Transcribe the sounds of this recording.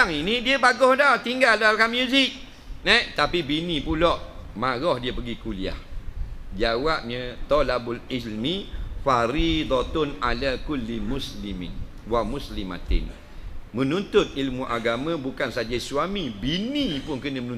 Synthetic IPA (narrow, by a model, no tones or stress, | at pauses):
aŋinidiəbaɡɔhdɔht̪iŋɡaldalkamjuzɪk̚ | nɛt̪apibinĩpulɔʔmãɣɔhdiəpəɡikulia̰h | d͡ʒawap̚ɲə̃t̪ɔlabʊlilmifaɾid̪ˤɔt̪ʊna̰lakulːimuslimɪ̰n | wamuslima̰t̪ɪ̰n | mə̃nunt̪ʊt̪̚ilmuʔaɡamãbukansad͡ʒasuamibinipʊnkənəmənũ